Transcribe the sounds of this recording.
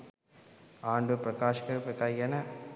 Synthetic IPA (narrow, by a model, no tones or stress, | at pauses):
aːɳɖɯpɾɐkaːʃkɐɾpɐkɐjɐnɐ